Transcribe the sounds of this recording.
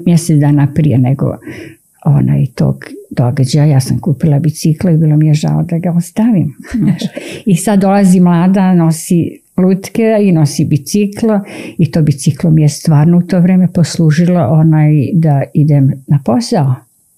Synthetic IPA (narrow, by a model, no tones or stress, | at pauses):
mjɛset̪d̪aːnapɾḭjeneɡo̰ | o̰na̰ːjt̪o̰ːɡd̪̥o̞ɡad͡ʑajajaːsamkuːpilˠabit̪siklˠoibiːlˠomijeʒa̰lod̪aɡaost̪aʋim | isad̪d̪ːo̞lˠazimlˠaːd̪ano̞si | luːt̪keino̞sibit̪sikloit̪oːbit̪siklomijest̪ʋaːɾnout̪o̞ːʋɾeːme̞posluːʒiloʔonaːjd̪aid̪emnapo̞sao